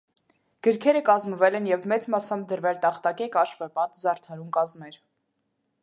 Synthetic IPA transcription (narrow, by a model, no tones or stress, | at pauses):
ɡ̥əɾkʰɛɾəkɑzməvɛlɛnjɛvmɛt͡smɑsɑmd̪əɾvɛlt̪ɑχt̪ɑkɛkɑʃvɛpɑt̪zɑɾt̪ʰɑɾumkɑzmɛɾ